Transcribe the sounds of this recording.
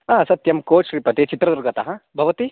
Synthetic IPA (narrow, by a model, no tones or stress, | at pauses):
aːsɐt̪jɐmkoːʃɾiːpɐt̪et͡ʃit̪ɾɐd̪uɾɡɐt̪ɐɦɐ̃bʱɐʋɐt̪i